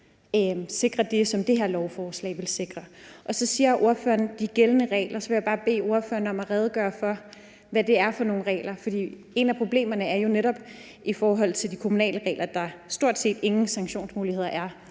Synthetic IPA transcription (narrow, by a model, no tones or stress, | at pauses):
se̝ɡ̥ʁɐd̥e̝sɒ̽md̥e̝ɦeɐ̰lɒʊfɒːslɛ̰ːɪʋe̝lse̝ɡ̥ʁɐʔɒ̽sɒ̽siːɐʔo̝ɐfø̰ːɐnd̥iɡ̥elənəʁɛ̰ːlʔɐsɒ̽ʋe̝jäb̥ɑ̈ːb̥e̝̰ːo̝ɐfø̰ːɐnɒ̽mæʁɛːð̞ˠɡ̥ɶːɐfɒ̽ | ʋæd̥e̝æɐfɒ̽no̝ːn̩ʁɛ̰ːlɐfɒ̽d̥ḭː | e̝næpʰʁo̝b̥le̝̰ːmɐnəæɐjo̝neɾɒ̽b̥ | ʔifɒːɦɒ̽l̰t͡sʰe̝ld̥ikʰo̝munɛ̰ːləʁɛ̰ːlɐd̥ɑ̈sd̥o̝ɐ̰d̥se̝̰ːd̥e̝ŋn̩sɑ̈ŋɕo̝̰ːnsmuːlihe̝ð̰ˠɐʔæɐ